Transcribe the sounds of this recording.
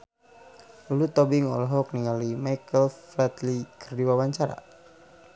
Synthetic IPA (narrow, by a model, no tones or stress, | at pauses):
lulut̪ɔbiŋɔ̰lɔɦɔk̚niŋalimajkəlflɛt̪likʰərdiwawaɲt͡ʃaɾa̰